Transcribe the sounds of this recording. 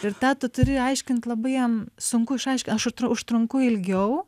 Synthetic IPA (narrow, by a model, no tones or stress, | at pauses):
ɪɾt̪ɑːt̪ʊt̪ʊɾʲɪːjɐɪʃʲkʲɪnt̪ʲlˠɐbɐɪjɛmsʊŋkʊɪʃɐɪʃʲkʲɪnɐʃʊʃt̪ɾʊʊʃt̪ɾʊŋkʊɪlʲɡʲɛʊ